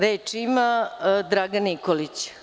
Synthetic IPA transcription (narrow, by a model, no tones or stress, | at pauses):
ɾeːt͡ʂimad̪ɾaɡanikolit͡ɕ